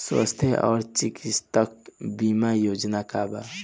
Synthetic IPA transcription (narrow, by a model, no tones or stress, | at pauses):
swa̰st̪ʰjeʔɔ̰ːɾt͡ʃikist̪ək̚bimajoːd͡ʒnakaba